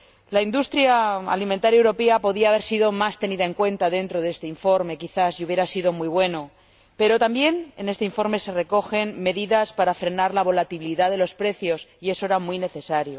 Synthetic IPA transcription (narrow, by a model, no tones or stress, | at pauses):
laind̪ust̪ɾjaa̰liment̪aɾjaewɾo̞peapo̞ðiaːβe̞ɾsiðo̞mast̪e̞niðae̞ŋkwe̞nt̪aðe̞nt̪ɾo̞ðe̞st̪e̞iɱfo̞ɾme̞kiθasjuβje̞ɾasiðo̞mwuijβ̞we̞no̞ | pe̞ɾo̞t̪ambje̞ne̞ne̞st̪e̞iɱfo̞ɾme̞se̞re̞ko̞xe̞nme̞ðiðaspaɾafɾe̞naɾlaβo̞lat̪iβliðaðe̞lo̞spɾe̞θjo̞sie̞soe̞ɾamwijne̞θe̞saɾjo̞